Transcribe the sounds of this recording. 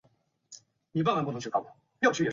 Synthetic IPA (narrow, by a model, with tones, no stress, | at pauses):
ni˨˩a˥˩nma˨˩npu˥˩˧ŋt͡ɕʰy˥˩kɑ˥˩˨ | jo˥˩t͡ɕʰy˥jɛ˨˩